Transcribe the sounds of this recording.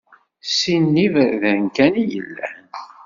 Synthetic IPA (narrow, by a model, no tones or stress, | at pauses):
sinːivðənkænijə̰lːæ̰n